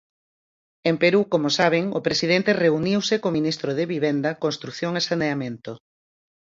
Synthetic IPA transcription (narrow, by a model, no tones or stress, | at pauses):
empeɾukomosaβ̞eŋopɾesið̞ent̪ereuniwsekominist̪ɾoðeβiβend̪ɐkonst̪ɾuθjoŋesaneamẽnt̪o